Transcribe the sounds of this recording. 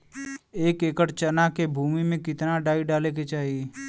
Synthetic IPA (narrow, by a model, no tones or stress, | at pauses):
eːkeːkəʈt͡ʃənakebʱuːmimẽkɪt̪naɖaːiɖaːleket͡ʃaːɦie